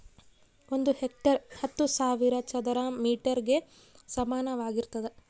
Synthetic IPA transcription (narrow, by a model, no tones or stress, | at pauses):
o̞nd̪uhek̚ʈɐɾhɐt̪ːusaːʋiɾɐt͡ʃɐd̪ɐɾɐmiːʈɐɾɡe̞ | sɐmaːnɐʋaːɡiɾt̪ɐd̪e